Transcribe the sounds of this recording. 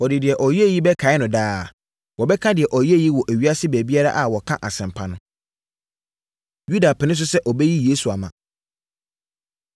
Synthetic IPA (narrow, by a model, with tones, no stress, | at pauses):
wɔ˨dɪ˨dɪ˨ɛ˨ʔɔ˨ji˦e˦˨ji˦bɛ˦kʰa˨˦ɪ˦nʊ̃˨daː˦˨ | wɔ˨bɛ˦kʰã˦dɪ˨ɛ˨ʔɔ˨je˦˨ji˦wɔ˨ʔæ˨ɥi˦a˦sɪ˦bæ˨bi˦a˦ɾa̰˦ʔa˨wɔ˨kʰã̰˦ʔa˨sɛ̃˨mpʰa˦nʊ̃˦ | ju˦da˨pʰɪ˨nɪ̃˦s̬ʊ˦sɛ˦ʔɔ˨bɛ˦ji˦jeː˦su˨a˨mã˨